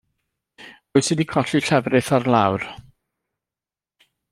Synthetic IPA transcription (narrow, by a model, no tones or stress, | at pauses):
oɨsɨdikʰɔɬiɬɛvrɪθarlˠawr